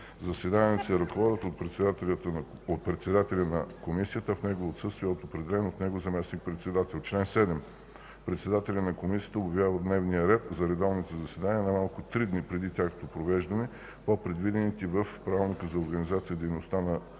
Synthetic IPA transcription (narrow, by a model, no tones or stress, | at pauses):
zɐsɛd̪anʲiɛsɛɾɐkvɔd̪ət̪ot̪̚pɾɛt̪sat̪ | ot̪̚pɾɛt̪sɛd̪at̪ɛlʲɐnɐkomisijət̪əfnɛɡovoːt̪sɤst̪vijɛot̪opɾɛd̪ɛlɛnot̪nɛɡozɐmɛsnik̚pɾɛt̪sɛd̪at̪ɛlˠt͡ʃlɛnsɛd̪ɛm | pɾɛt̪sɛd̪at̪ɛlʲɐnɐkomisijət̪əobʲjɐvʲjavəd̪nɛvnijəɾɛt̪zɐɾɛd̪ɔvnit̪ɛzɐsɛd̪aniənɐmalˠkʊt̪ɾid̪nipɾɛd̪it̪ʲjakvot̪opɾovɛʒd̪ɐnɛ | popɾɛd̪vid̪ɛnit̪ivəfpɾavlˠnikəzɐoɾɡɐnizat̪sijəd̪ɛjnost̪anɐ